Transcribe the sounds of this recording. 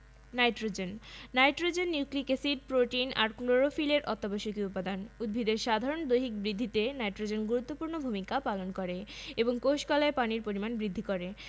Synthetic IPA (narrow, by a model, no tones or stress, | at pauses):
najʈɾod͡ʑenːajʈɾod͡ʑenːuklikesiɖ̚pɾoʈinaɾkloɾofileɾʔɔ̰t̪ːaboʃokiut̪pːad̪anud̪̚bʱid̪eɾʃad̪ʱaɾond̪ojɦik̚bɾid̪ʱːit̪enajʈɾod͡ʑenɡuɾut̪ːopuɾnobʱumikapalonkoɾeeboŋkowʃkɔlaepaniɾpoɾimanbɾid̪ʱːikoɾe